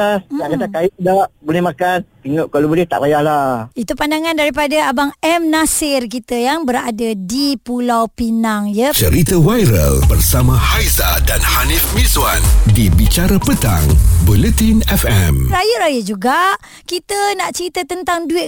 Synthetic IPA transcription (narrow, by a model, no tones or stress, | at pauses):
aaʔɡad̪akajdaʔbolɛhmãkanpiŋʊʔkalobolɛht̪a̰ʔbajahlait̪upandaŋãndaɾipadaabaŋɛmnasɪrkit̪əjaŋbəɾadadipulawpinaŋjət͡ʃəɾit̪əwajɾə̰lbərsamãhajzadanhanifmiswandibit͡ʃaɾapət̪a̰ŋbulɛt̪inɛfɛmɾajəʔɾajəʔ̚d͡ʒuɡaʔ | kit̪ənaʔt͡ʃəɾit̪ət̪ənt̪aŋduɪt̪